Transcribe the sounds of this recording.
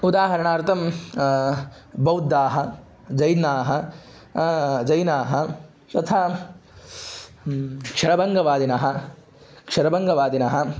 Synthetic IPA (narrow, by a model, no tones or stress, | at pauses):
ud̪aːɦɐɾɐɳaːɾt̪ʰɐm | bɐwd̪ːaːɦɐ | d͡ʒɐjnaːɦɐ̆ | d͡ʒɐjnaːɦɐ | t̪ɐt̪ʰaː | kʂɐɾɐbɐŋɡɐʋaːd̪inaːɦɐ̆ | kʂɐɾɐbɐŋɡɐʋaːd̪inaːɦɐ̆